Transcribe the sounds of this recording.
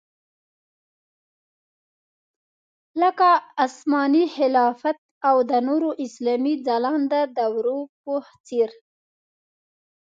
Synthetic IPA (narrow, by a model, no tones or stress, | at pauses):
ləkaasmɑnihɪlɑfat̪̚ | awd̪ənoɾoʔɪslɑmid͡zalɑnd̪əd̪awɾopoht͡seɾ